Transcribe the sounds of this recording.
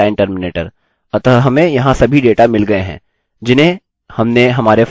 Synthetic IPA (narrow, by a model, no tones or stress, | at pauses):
aːɪ̃nʈəɾmɪneːʈəɾ | ɐt̪ɦɐmẽjɐɦãsɐbʱiɖeːʈamɪlɡɐeɦɛ̰̃ː | d͡ʒɪnɦẽ | hɐmneɦɐmaːɾef